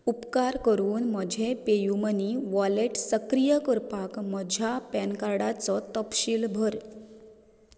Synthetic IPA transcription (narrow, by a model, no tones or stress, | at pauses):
upkaɾkəɾuːnməd͡ʑʱepejuməniʋɔleʈsəkɾijəkəɾpakməd͡ʑʱjapɛnkaɾɽat͡sɔt̪əpɕiːlbʱəɾ